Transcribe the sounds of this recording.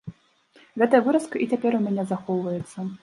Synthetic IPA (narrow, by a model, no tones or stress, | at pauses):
ɣɛt̪ɐjɐvɨɾɐskɐʔit͡sʲapʲɛɾumʲanʲɛzaxɔwvɐjɛt̪sːɐ